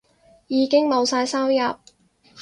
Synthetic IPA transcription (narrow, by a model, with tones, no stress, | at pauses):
jiː˨˧kɪ˥ŋmo˨˧wsaː˧jsɐ˥wjɐ˨p̚